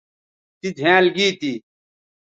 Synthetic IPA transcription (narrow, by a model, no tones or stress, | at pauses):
t̪id͡ʒʱãːlɡiːt̪iː